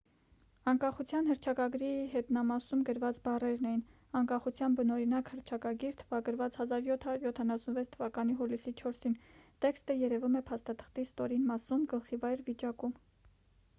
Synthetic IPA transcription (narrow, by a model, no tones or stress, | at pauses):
ɑŋkɑχut͡sʰjɑnhəɾt͡ʃʰɑkɑɡɾihɛt̪nɑmɑsumɡəɾvɑt͡sbɑrɛɾnɛjin | ɑŋkɑχut͡sʰjɑnbənɔɾinɑkhəɾt͡ʃʰɑkɑɡiɾt̪ʰəvɑɡəɾvɑt͡shɑzɑɾjɔt̪ʰɑɾuɾjɔt̪ʰɑnɑsunvɛt͡sʰt̪ʰəvɑkɑniɦulisit͡ʃʰɔɾsint̪ɛkst̪əjɛɾɛvumɛpʰɑst̪ɑt̪ʰə̥χt̪ist̪ɔɾinmɑsumɡəlχivɑjɾvit͡ʃɑkum